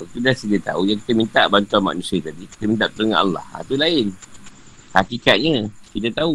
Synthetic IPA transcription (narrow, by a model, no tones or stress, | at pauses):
bət̪udasidət̪a̰ujãŋkit̪əmint̪aʔbant̪uanma̰ʔnũsiət̪adiki̥t̪əmint̪aʔt̪əɾəŋana̰lːa̰ha̰t̪ulaɪn | hakikat̪̚ɲə̃kit̪ət̪au